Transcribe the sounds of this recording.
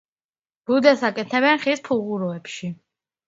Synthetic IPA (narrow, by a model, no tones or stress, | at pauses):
b̥ud̪ɛsakʼɛt̪ʰɛbɛnχispʰuʁuɾɔɛpʃi